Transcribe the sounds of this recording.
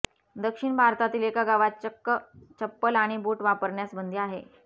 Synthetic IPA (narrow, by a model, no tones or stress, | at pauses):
d̪əkʂiɳbʱaɾt̪at̪iːlekaɡaʋat͡ɕəkːət͡ɕəpːəlaɽ̃ibuːʈʋapəɾɳjasbənd̪ʱiaɦe